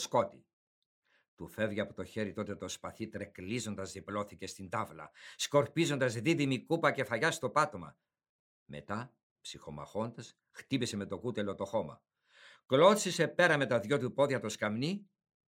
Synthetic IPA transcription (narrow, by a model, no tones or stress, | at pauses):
sko̞t̪i | t̪ufe̞vʝiɐpot̪oçe̞ɾit̪o̞t̪et̪o̞spɐθit̪ɾeklizo̞nd̪ɐzðiplo̞θice̞st̪ind̪ɐvlɐ̰sko̞ɾpizo̞nd̪ɐzðiðimikupɐce̞fɐʝɐst̪o̞pɐt̪o̞mɐ̰ | me̞̰t̪ɐ | psixo̞mɐ̰xo̞nd̪ɐs | xt̪ipise̞me̞t̪o̞kut̪elo̞t̪o̞xo̞mɐ̰ | klot̪sise̞pe̞ɾɐme̞t̪ɐðʝo̞t̪upo̞ðʝɐt̪o̞skɐmni